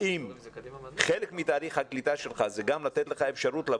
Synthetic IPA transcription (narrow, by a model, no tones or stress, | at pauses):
im | χelekmit̪aːʁiχhaklit̪aʃelχazeɡamlat̪et̪leχaefʃaʁut̪la